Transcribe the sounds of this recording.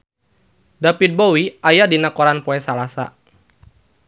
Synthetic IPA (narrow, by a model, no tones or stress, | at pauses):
dapit̪̚bowiʔajadinakɔɾanpɔɛsalasa̰